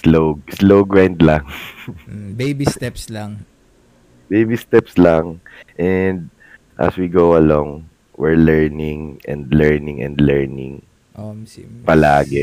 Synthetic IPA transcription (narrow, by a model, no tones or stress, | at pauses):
slowɡsloɡɹãwnd̪laŋ | bejbist̪ɛpslaŋ | bejbist̪ɛpslaŋʔɛnd̪̚ | ʔɐ̰swiɡowɐloŋ | wɪɹlɛɹnɪŋʔɛ̰̃nd̪lɛɹnɪŋɛ̰̃nd̪lɛɹnɪ̰̃ŋ | opɐlaːɡɛ